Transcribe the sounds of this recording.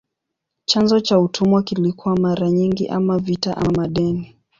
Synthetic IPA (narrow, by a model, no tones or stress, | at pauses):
t͡ʃanzɔt͡ʃautʰumwakilikuwamaɾaɲiŋɡḭʔamavitaʔamaɗɛni